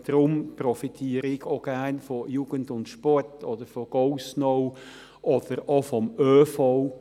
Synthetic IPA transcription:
d̪̥ɾʊmpɾɔfitʰiːəɾɪɡoɡ̥æɾnfɔjuːɡ̥əntʊntʃpɔrtʰɔd̥əɾfɔɡ̥oʊsnow | ʔɔd̥əɾofɔmøːfɔʊ

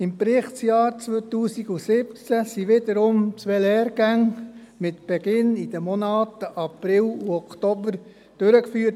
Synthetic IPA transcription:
ɪmpɾɪχtt͡sjɑːɾt͡sʋot̪uːsiɡusɪp̚t͡sæsiʋɪdəɾʊmt͡sʋelɛːɾɡ̥æŋ | mɪt̪b̥ɛɡɪnid̥̪əmɔnɑːtəʔɑpɾɪluɔktɔbəɾ | d̥øɾəkfyːt

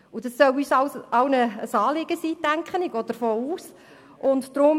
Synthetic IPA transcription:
udɑsːœwyːsɑwsɑʊwnəəsɑːlɪɡ̥əsiːtæŋkχənɪɡoːd̪̥əɾfoːuːs | ʔʊntdɾʊm

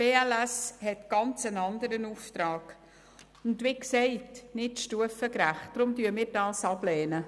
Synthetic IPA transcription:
b̥eːɛlæshɛtɡ̥ɑnt͡sənɑndəɾənuftɾɑːɡ̥ | ʊndʋiksɛɪtnɪtʃtuəfəkɾæχtd̥ɾʊmtyːmɪːɾdɑːsɑb̥lɛːnə

